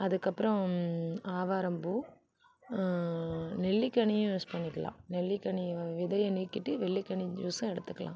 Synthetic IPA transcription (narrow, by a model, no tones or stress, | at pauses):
ɐðɯkːɐpːɯɾɐ̃ | aːʋaːɾɐmbu | nɛɭːikːɐɳijʊ̃uspɐɳːɪkːɐlã̰ːnɛɭːikːɐɳiʋɪðɐjɐniːɾkːɪʈːɯʋɛɭːikːɐɳid͡ʒuːsɐ̃ɛɽɯt̪ːɯkːɐlã̰ː